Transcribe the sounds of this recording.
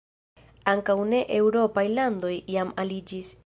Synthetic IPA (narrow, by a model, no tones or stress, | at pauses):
aŋkawne̞ʔewɾo̞pajlando̞jːamalid͡ʒis